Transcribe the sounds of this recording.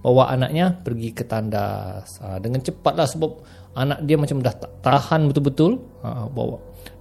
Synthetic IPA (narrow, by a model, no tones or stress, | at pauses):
bawaʔanaʔ̚ɲapərɡikət̪anda̰sədəŋant͡ʃəpat̪̚lahsəbap̚ | anaʔ̚diamat͡ʃamdaht̪ahanbət̪ʊlbət̪ʊl | ə̰ʔəba̰wa̰